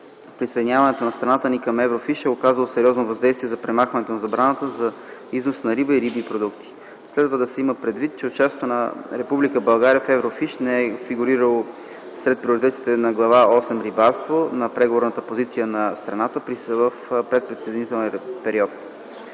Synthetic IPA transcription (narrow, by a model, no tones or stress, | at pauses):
pɾisejd̪iɲʲavɐnɛt̪onɐst̪ɾɐnat̪ənikɐmɛvɾofiʃɛokazəlˠosɛɾiɔznovɐzd̪ɛjst̪viɛzɐpɾɛmaxvɐnɛt̪onɐzɐbɾanət̪əzɐ | iznosnɐɾibəiɾibipɾod̪ukt̪i̥ | slɛd̪vəd̪ɐsɛiməpɾɛd̪vit̪̚t͡ʃɛot͡ʃast̪onɐɾɛpublikəbɐlˠɡaɾiəfɛvɾofiʃnɛɛfiɡuɾiɾəlˠo | sɾɛt̪̚pɾioɾit̪ɛt̪i̥t̪ɛnɐɡlˠɐvaɔsɛmɾibaɾst̪vonɐpɾɛɡovoɾnət̪əpozit̪sijənɐst̪ɾɐnat̪əpɾisvəfpɾɛt̪̚pɾɛt̪sɛd̪init̪ɛlˠnipɛɾiɔt̪